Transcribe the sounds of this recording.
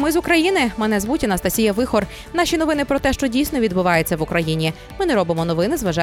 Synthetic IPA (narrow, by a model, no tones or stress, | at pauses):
mɪzʊkɾɐjinɪmɛnɛzʋutʲɐnɐst̪ɐsʲijɐʋɪxɔr | n̪ɑʃʲinɔʋɪnɪpɾɔt̪ɛʃt͡ʃɔdʲijsʲnɔʋʲid̪bʊʋɑjet͡sʲːɐʋʊkɾɐjinʲi | mɪnɛɾɔbɪmɔnɔʋɪnɪzʋɐʒɑ